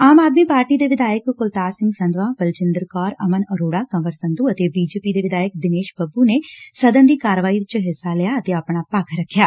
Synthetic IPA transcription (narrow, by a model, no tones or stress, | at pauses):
aːmaːd̪miːpaːɾʈiːd̪eːʋɪd̪aːjəkkʊlt̪aːɾsɪ̃ŋɡsə̃nd̪ʋãːbəlt͡ʃɪnd̪əɾkɔːɾəmənəɾoːɽaːkəməɾsə̃nd̪uːət̪eːbiːd͡ʒeːpiːd̪eːʋɪd̪aːjək̚d̪ɪneːʃbəbuneːsəd̪ənd̪iːkaːɾəʋaːit͡ʃɦɪsːaːlɛjaːət̪eːəpɳ̃aːpakʰɾəkʰːjaː